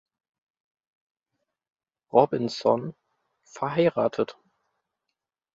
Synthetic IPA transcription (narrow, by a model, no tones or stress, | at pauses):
ʁɔbɪnsɔn | fɛɐɦaɪʁaːtʰət